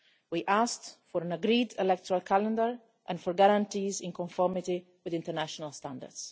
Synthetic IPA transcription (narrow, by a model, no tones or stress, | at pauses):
wiʔasktfɔɾãnaɡɾidɛlɛk̚tʰɔɾalkʰalɛ̃ndəɹ | ʔɛ̃nfɔɾɡaɾãntiːzɪ̃nkɔ̃ɱfɔɹmɪti | wɪðɪ̃ntəɾnaʃɔnalstãndə̰ɹds